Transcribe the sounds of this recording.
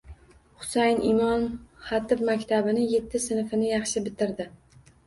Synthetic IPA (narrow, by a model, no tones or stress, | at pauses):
χʊ̥sajnɪmɒnχɑt̪ʰɪfmakʲt̪ʰabɪnɪje̞t̪ʰːɪsɪnfɪnɪjɑχʃɪbɪt̪ʰɪɾd̪ɪ